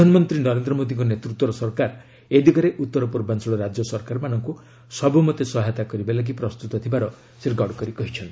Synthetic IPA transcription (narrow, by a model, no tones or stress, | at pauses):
anɔmɔnt̪ɾinɔɾend̪ɾɔmod̪iŋkɔnet̪ɾut̪wɔɾɔsɔɾkaɾ | ed̪ʱikɔɾeʔut̪ːɔɾɔpɔɾbansɔɭɔɾad͡ʒjɔsɔɾkaɾmanɔŋku | sɔbumɔt̪esɔɦat̪akɔɾibalaɡipɾɔst̪ut̪ɔt̪ʰibaɾɔ | seɾɡɔɽkɔɾikɔɦit͡ʃʰɔnt̪i